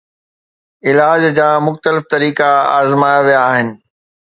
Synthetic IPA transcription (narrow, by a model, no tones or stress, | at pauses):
ɪlaːd͡ʑd͡ʑaːmʊxt̪əlɪft̪ɐɾiːkaa̰ːzmaːjaʋijaːɦɪnɪ̆